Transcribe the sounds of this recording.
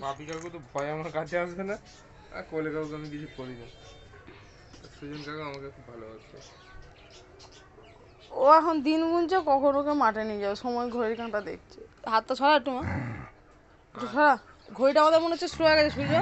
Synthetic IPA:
mapikakkot̪obajamakatʰeas̬ena | a̰kolekaɾokamikidikoɾina | sud͡ʑonkakoamakekʰupːaloat͡ʃʰḛ | oɛkʰond̪inɡunt͡ɕakɔkʰonokemaʈenijd͡ʑabeʃɔmɔeɡʱoɾeɾkãnʈad̪ḛk̚ʰt͡ɕʰeɦat̪ːat͡ɕʰɔɾaʈuma | tuʃʰɔɾa | ɡʱoɾiʈaamad̪eɾmoneot͡ɕʰesɾoɛkad͡ʑeʃuid͡ʑo

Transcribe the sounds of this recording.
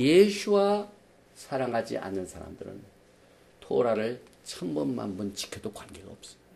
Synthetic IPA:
jesʰuwa | sʰaɾaŋɦad͡ʑḭʔa̰nːɯnsʰaɾa̰mdɯɾɯ̰n | tʰoɾaɾɯɭ | t͡ɕʰʌmbʌnma̰nbunt͡ɕi̥kʰjedokwanɡe̞ɡaop̚s͈ʌ̥

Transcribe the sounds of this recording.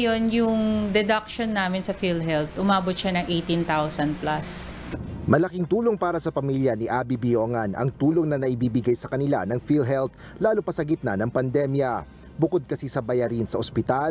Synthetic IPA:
jonjʊŋd̪ɛd̪ɐk̚ʃonːaːmɪnsɐfilɦɛlt̪ʔʊmaːbot̪ʃanɐŋʔejt̪int̪awsɐnd̪̚plɐs | mɐlɐkiŋt̪uːlo̞ŋpaːɾɐsɐpɐmiljɐniʔaːbibijoŋanɐ̰ŋt̪uːlo̞ŋnɐnɐʔɪbiːbɪɡajsɐkɐnɪla̰nɐŋfilɦɛlt̪̚laːlopɐsɐɡɪt̪̚nanɐŋpɐnd̪ɛmjɐ | bʊkod̪̚kɐsisɐbɐjɐɾinsɐʔospɪt̪al

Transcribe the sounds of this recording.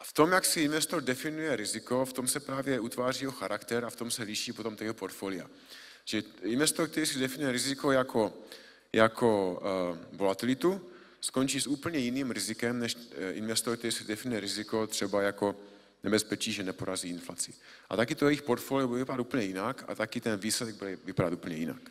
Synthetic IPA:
aft̪omjaksɪinvɛst̪o̞ɾdɛfɪnujɛɾɪzɪko̞ft̪o̞msɛpɾaːvjɛʔut̪vaːriːjɛɦoxaɾakt̪ɛɾaft̪o̞msɛlɪʃiːpo̞t̪o̞mt̪ajɛɦopo̞ɾt̪folɪa̰ | ʒ̥ɛinvɛst̪oɾrk̚t̪ɛɾiːsidɛfɪnujɛɾɪzɪko̞jakʰo̞ | jakʰo̞ | vo̞lat̪ɪlɪt̪u | sko̞nt͡ʃiːsuːpl̩ɲɛjɪniːmɾɪzɪkɛmnɛʃɪnvɛst̪oɾk̚t̪ɛɾiːsizdɛfɪnujɛɾɪzɪko̞t̪r̝̥ɛbajako̞ | nɛbɛspɛt͡ʃiːʒɛnɛpo̞ɾaziːɪnflat͡sɪ | ʔa̰t̪akɪt̪ojɛjɪxpo̞ɾt̪foːlijobudɛvɪpadat̪uːpəɲɛjɪnaka̰t̪akɪt̪ɛnviːslɛdɛɡ̚bɪlvɪpadat̪uːp̩ɲɛjɪna̰k

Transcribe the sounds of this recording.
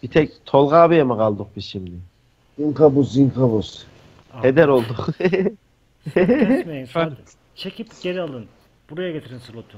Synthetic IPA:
b̥it̪ʰɛct̪ʰo̞lˠʁaːbijamɯqalˠd̪uq̚bisʃimd̪ɪ | iŋkʰabusziŋkʰabus | hed̪ɛɾo̞lˠd̪uq | meia | t͡ʃʰekʰipɟeɾialˠd̪ɯn | b̥uɾajaɡet̪ʰiɾinsɯlˠot̪ʰu

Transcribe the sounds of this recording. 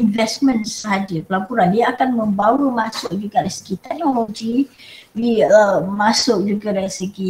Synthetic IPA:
invɛsmə̃nsɦadipəlapuɾandiaːkanməmbawɾumasʊʔ̚d͡ʒuɡadasə̥kit̪ɛk̚nɔlod͡ʒi | liəmasʊʔ̚d͡ʒuɡadaisəɡi

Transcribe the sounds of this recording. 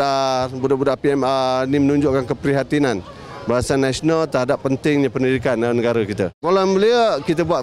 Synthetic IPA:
abudabudaʔpiɛmanimənuɲd͡ʒʊʔkankəpɾiɦat̪inan | baɦasanːasionalt̪əɾɦadapːənt̪ɪŋɲapəndidikananəɡaɾəkit̪əkolanbəliəkit̪̬əbuat̪

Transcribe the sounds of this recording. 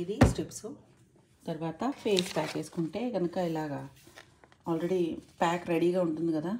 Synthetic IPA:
iɾisʈipsu | t̪ɐɾʋaːt̪ɐpʰe̞ːspaːke̞ːsu̥kuɳʈe̞ːɡɐnɐkɐilaːɡɐ | aːlɾeɽipaːkɾeɽiːɡaːuɳʈund̪ikɐd̪aː

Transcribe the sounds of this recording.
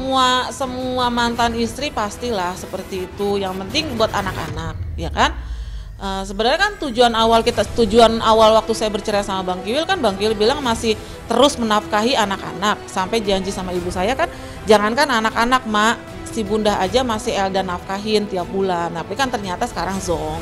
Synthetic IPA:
səmuasəmuamant̪anist̪ɾipast̪ilahsəpərt̪iːt̪ujaŋpənt̪ɪŋbuat̪anaka̰nak̚jakan | ʔəːsəbənərɲakant̪ud͡ʒuanawalkit̪at̪ud͡ʒuanawalwak̚t̪usajabərt͡ʃəɾɛsamabaŋkiwɪlkanbaŋkiwɪlbilaŋmasɪh | t̪əɾʊsmənafkaɦianaka̰nak̚sampajd͡ʒaɲd͡ʒisamaibusajakan | d͡ʒaŋankananakanak̚ma | sibundaɦad͡ʒamasɪɦɛldanafkaɦɪnt̪iap̚bulanapikant̪ərɲat̪asə̥kaɾaŋzɔŋ

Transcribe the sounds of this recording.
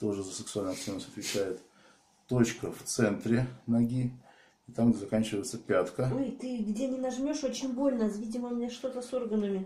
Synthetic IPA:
t̪o̞ʐɨzəsʲəksʊalʲnɐk̪t̪ʲenəsʲɐt̪vʲɪt͡ɕæjɪt̪ː | o̞t͡ɕkəft̪sɛnt̪ɾʲɪnɐɡʲi | it̪amzɐkanʲt͡ɕɪvəjɪt̪səpʲat̪kəojt̪ɨɡdʲe̞nʲɪnɐʐmʲo̞ʂo̞t͡ɕɪnʲbo̞lʲnasvʲidʲɪməʊmʲnʲaʂt̪o̞t̪əso̞rɡənəmʲɪ

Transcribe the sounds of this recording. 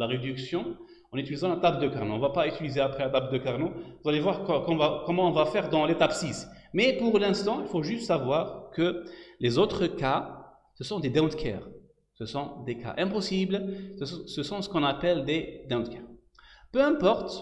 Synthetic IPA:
laʁed̪yksjɔ̃ | ɔ̃nyt̪ilizɑ̃lat̪apd̪əkaʁnoɔ̃vapayt̪ilizeapχɛlat̪apd̪əkaʁnouzalevwaʁkkɔ̃vakɔmɑ̃ɔ̃vafɛʁd̪ɑ̃let̪apsismɛpuʁlɛ̃st̪ɑ̃ilfoʒyst̪savwaʁkəlezot̪χəka | səsɔ̃d̪ed̪ɛɔ̃t̪kʰɛ̰ʁ | səsɔ̃d̪eka̰ʔɛ̃pɔsibl | səsɔ̃sə̥kɔ̃napɛld̪ed̪ɛ̃t̪kʰɛʁ | pøɛ̃pɔʁt̪

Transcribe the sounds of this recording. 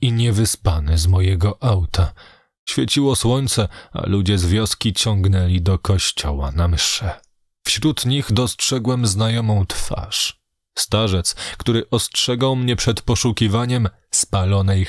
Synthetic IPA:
iɲɛvɘspanɘzmɔjɛɡɔʔawt̪a | ɕfʲjɛt͡ɕiwɔswɔɲt̪sɛa̰lud͡ʑɛzvʲjɔskʲit͡ɕɔŋɡnɛlʲid̪ɔkɔɕt͡ɕɔ̰wa̰namɘʂɛ | fɕɾut̪ɲiɣd̪ɔstʂɛɡwɛmznajɔmɔ̃w̃t̪fa̰ʂ | st̪aʐɛt̪skt̪uɾɘʔɔstʂɛɡawmɲɛpʂɛt̪pɔʂukʲivaɲɛm | spalɔnɛj

